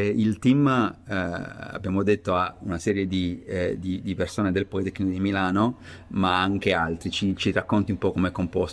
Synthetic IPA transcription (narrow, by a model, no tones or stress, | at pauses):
ilt̪imː | a̰bːjaːmod̪et̪ːoaunasɛːɾjed̪id̪id̪ipersoːned̪elpɔit̪ɛkːnikod̪imilaːnomaaŋk̟ealt̪ɾit͡ʃit͡ʃirakːont̪iumpɔkːomeɛkːompɔs